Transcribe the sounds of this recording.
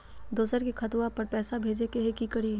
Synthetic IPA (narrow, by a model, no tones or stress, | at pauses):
d̪oːsəɾkikʰɐt̪ʋapɐɾpɛːsabʱeːd͡ʒekeɦekikəɽi